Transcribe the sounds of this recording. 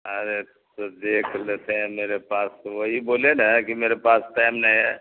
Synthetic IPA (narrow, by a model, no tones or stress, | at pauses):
əɾe | sɔd̪ekʰlet̪ʰemeɾepasʋoɦibolenekimeɾepasʈajmnajɦɛ